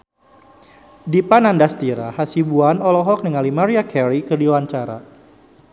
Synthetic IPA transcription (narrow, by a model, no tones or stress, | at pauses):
dipanandast̪iɾa̰hasibuanɔlɔɦɔk̚niŋalimaɾiakɛɾikədiwaɲt͡ʃaɾa̰